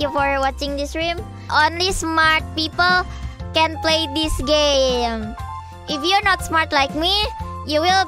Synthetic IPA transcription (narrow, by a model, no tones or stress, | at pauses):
jufɔɹwɔt͡ʃɪ̃ŋd̪ɪsɹũm | ʔõnlismaɹt̪̚pipəl | kɛ̃npleɪd̪isɡẽm | ʔɪfjunɔt̪smaɹt̪laɪk̚mijuwil